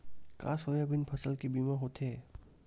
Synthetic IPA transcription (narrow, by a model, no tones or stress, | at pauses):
ka̰ːsojabʱɪnpʰəsəlkibimaɦot̪ʰeː